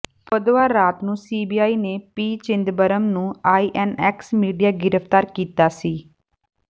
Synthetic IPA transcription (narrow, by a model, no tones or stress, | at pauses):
pəd̪aːɾaːt̪nũːsiːbiːaːiːneːpiːt͡ʃɪnd̪bəɾəmnũːaːiːʔɛːnɛːksmiːɖijaːɡɪɾəpʰt̪aːɾkiːt̪aːsiː